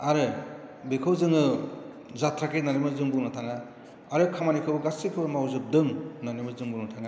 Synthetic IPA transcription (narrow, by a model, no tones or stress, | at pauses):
aɾɯbikʰɯwzɯŋɯ | zatɾakenanimɯzɯŋbunatʰaŋa | aɾɯkʰamanikʰɯbɯɡasikʰɯbɯmawzɯp̚dɯŋnanimɯzɯŋbunatʰaŋa